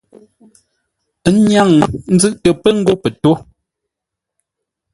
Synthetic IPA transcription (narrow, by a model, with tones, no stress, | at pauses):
ɲja˦˨ŋn̩˦zɨ˦ʔtə˨pə˦ŋ̩˦ɡo˦pɛ˨to˦